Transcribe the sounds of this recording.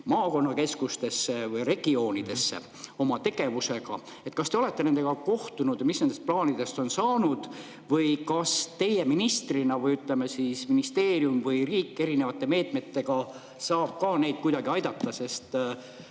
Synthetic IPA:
mɑːko̞nːɑke̞skust̪e̞sːe̞vɯjre̞ɡ̥io̞ːnid̪̥e̞sːḛ | o̞mɑt̪e̞ɡ̥e̞vuse̞ɡ̥ɑ̰ | e̞t̪ˑkɑst̪eo̞le̞t̪ːˑe̞ne̞nd̪e̞ɡ̥ɑko̞ht̪unud̪̥jmisnend̪est̪̚plɑːnid̪e̞st̪o̞nsɑːnud̪̥ | vɯjkɑst̪e̞je̞minist̪rinɑvɯjyt̪ːˑlemesisminist̪e̞ːrijumvɯjriːkːˑe̞ɾine̞vɑt̪ːˑe̞me̞ːt̪me̞t̪ːe̞ɡ̥ɑ | sɑːb̥̚kɑːne̞jd̪̚kujd̪̥ɑɡiɑjd̪ɑt̪ːɑse̞st̪

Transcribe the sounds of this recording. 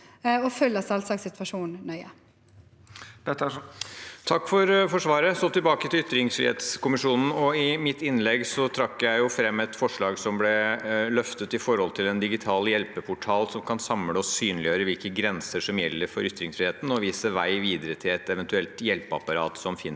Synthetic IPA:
ɔfœləsɑlsɑːksɪt̪ʋɑʂuːnnœʏə | ɛt̪ | t̪ʰɑkːfɔɾfɔʂʋɑːɾəsɔt̪ɪlbɑːkət̪ʰɪlʏt̪ːɾɪŋsfɾɪ̰ḛːt̪skʊmɪʂuːnn̩ɔɪmɪt̪ːɪnlɛɡsɔt̪ʰɾɑkːjæɪjʊfɾɛmːɛt̪fɔʂɭɑːɡsɔmblɛlœft̪ət̪ɪfɔɾhɔlt̪ʰɪlɛnd̪ɪɡɪt̪ʰɑːljɛlpəpʰʊʈʰɑːlsɔmkʰɑnsɑmləɔsyːnlɪjøːɾəʋɪlkəɡɾɛnsəʂɔmjɛlːəɾfɔɾʏt̪ːɾɪŋsfɾɪheːt̪n̩ɔʋiːsəʋæɪʋiːd̪əɾət̪ʰɪlɛt̪ɛʋɛnt̪ʉɛlt̪jɛlpɑ̰pɑɾɑ̰ːt̪sɔmfɪn

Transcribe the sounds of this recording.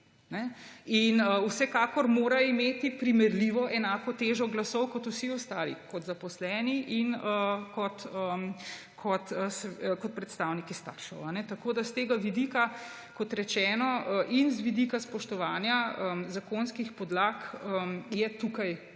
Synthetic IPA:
nɛinəusɛkaːkɔɾmoːɾaimeːt̪ipɾimɛɾliʋɔʔɛnaːkɔt̪eːʒɔɡlasɔwkɔt̪usiɔst̪aːlḭkɔt̪zapɔslɛːniʔinəkɔt̪əm | kʰɔt̪əskɔt̪̚pɾɛt̪st̪aːwnikist̪a̰kʃɔwanɛt̪akoːd̪ast̪eːɡaʋid̪ika | kɔt̪ɾɛt͡ʃɛːnɔəʔinzʋid̪ikaspɔʃt̪ɔʋaːnjaəzakoːnskixpɔd̪laːkəmjɛt̪uːkaj

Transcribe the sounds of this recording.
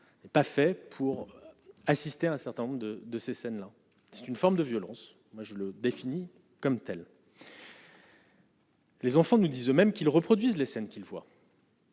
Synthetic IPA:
nɛpafɛpʰuʁasist̪eaɛ̃sɛʁt̪ɛ̃nɔ̃bʁd̪əd̪əsesɛnla | sɛ̥t̪ynfɔʁmd̪əvjɔlɑ̃s | mwaʒələd̪efini | kɔmt̪ɛl | lezɑ̃fɑ̃nud̪izømɛmkʲilʁəpχɔd̪ɥizlesɛnkʲilvwa̰

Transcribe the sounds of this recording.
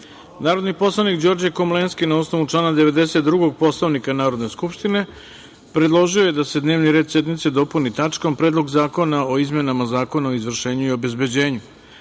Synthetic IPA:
naːɾod̪nipo̞slˠanikd͡ʑo̞ɾd͡ʑekomlˠenskinaosno̞ʋut͡ʂlˠaːnad̪e̞ʋe̞d̪ese̞t̪d̪ɾuɡo̞ɡ̚po̞slˠaʋnikanaːɾo̞d̪ne̞skupʃt̪ine̞ | pɾed̪lˠo̞ʒiojed̪ase̞d̪neːʋniɾe̞ːd̪sjed̪mit̪se̞d̪o̞punit̪at͡ʂkompɾed̪lˠo̞ɡzaːko̞nao̞izmje̞namazaːko̞nao̞izʋr̩ʃe̞ːɲuio̞be̞zbe̞d͡ʑe̞ːɲu

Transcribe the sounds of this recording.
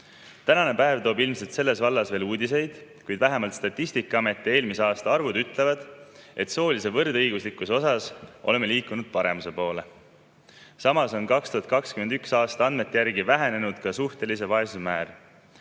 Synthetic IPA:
t̪ænɑne̞pæevt̪o̞ːbilmse̞lt̪se̞lːe̞svɑlːɑsve̞ːluːd̪ʲis̬e̞jd̪̥kujd̪̥væɦe̞mɑlt̪st̪ɑt̪ˑːist̪ikːˑɑɑme̞t̪ːˑie̞ːlmiseɑːst̪ɑɑrvud̪yt̪ːˑle̞vɑd̪̥e̞t̪so̞ːlise̞vɤrd̪ɤjɡ̥uslikːˑuso̞sɑso̞̰le̞mːe̞liːkːˑunud̪̥pɑɾe̞muse̞po̞ːle̞ | sɑmɑso̞nkɑkst̪uɦɑt̪̚kɑkskymend̪yksɑːst̪ɑɑnd̪me̞t̪ːˑejæɾɡivæɦene̞nud̪̥kɑsuht̪e̞lise̞vɑe̞susmæːr

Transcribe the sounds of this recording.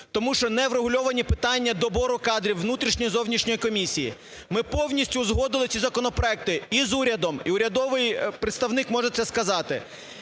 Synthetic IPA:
t̪ɔmuʃt͡ʃɔnɛwreɦʊlʲɔʋɐnʲipɪt̪ɑnʲːɐd̪ɔbɔɾʊkɑd̪ɾʲiwːnut̪ɾʲiʃnʲɔjizɔwnʲiʃnʲɔjikɔmʲisʲijḭ | mɪpɔwnʲisʲtʲʊzɦɔd̪ɪlˠɪt͡sʲsʲizɐkɔnɔpɾɔɛk̚t̪ɪizuɾʲɐd̪ɔmḭʊɾʲɐd̪ɔʋɪjpɾet̪st̪ɐwnɪkmɔʒet̪sʲɛskɐzɑt̪ɪ

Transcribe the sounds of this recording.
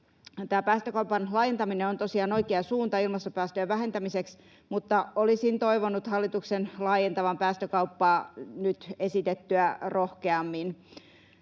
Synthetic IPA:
t̪æːpæːst̪økɑupɑnlɑːjent̪ɑmineont̪osiɑːnoikeɑsuːnt̪ɑilmɑst̪opæːst̪øːʋæɦent̪æmiseks | mut̪ːɑolisint̪oiʋonut̪hɑlːit̪uksenlɑːjent̪ɑʋɑmpæːst̪økɑupːɑːnyt̪esit̪et̪ːyærohkeɑmːin

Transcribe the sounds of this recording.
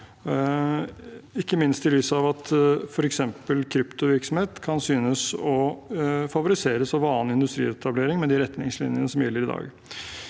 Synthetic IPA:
ɪkːəmɪnst̪ʰɪlyːsɑʋɑt̪fɔɾɛksɛmpəlkʰɾʏpt̪ʊʋɪɾksɔm̩heːt̪kʰɑnsyːnəsɔ | fɑʋʊɾɪseːɾəsɑʋɑːnɪnd̪ʉst̪ɾḭːɛt̪ʰɑbleːɾɪŋmɛd̪iɾɛt̪nɪŋslɪ̰njənəsɔmjɛlːəɾɪd̪ɑ̰ːɡ

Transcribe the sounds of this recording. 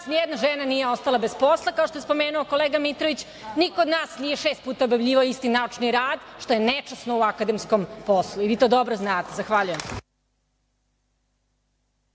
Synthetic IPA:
snijed̪naʒenaniːje̞o̞st̪alˠabespo̞slˠakao̞ʃt̪ojspo̞meːnuoko̞leːɡamit̪ɾoʋit͡ɕ | nikood̪naːsnije̞ʃeːst̪̚puːt̪aobjaʋʎʲiːʋaoist̪inaut͡ʃniɾaːd̪ʃt̪o̞jenet͡ʃasnouakad̪emskomposlˠuiʋiːt̪od̪obɾoznaːt̪ezaxʋaʎujems

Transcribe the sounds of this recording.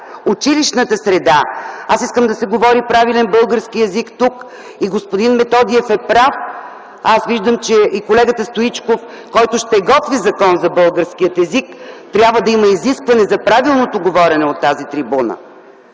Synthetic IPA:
ut͡ʃiliʃnət̪əsɾɛd̪aasiskəmd̪ɐsɛɡovɔɾipɾavilɛnbɤlˠɡəɾskiɛzikt̪uk | iɡospod̪inmɛt̪ɔd̪iɛfɛpɾaf | asviʒd̪əmt͡ʃɛʔikolɛɡət̪əst̪ʊit͡ʃkof | kɔjt̪ʊʃt̪ɛɡɔt̪vizɐkɔnzɐbɤlˠɡəɾskiət̪ɛzikt̪ɾʲabvəd̪ɐiməiziskvɐnɛzɐpɾavilˠnot̪oɡovɔɾɛnɛot̪ːazit̪ɾibunə̰

